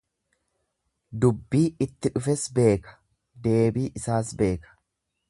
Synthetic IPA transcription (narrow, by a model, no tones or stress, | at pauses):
d̪ʊbːiːɪt̪ːɪᶑʊfɛsbe̞ːkɐ̥ | d̪e̞ːbiːʔɪsaːsbe̞ːkɐ̥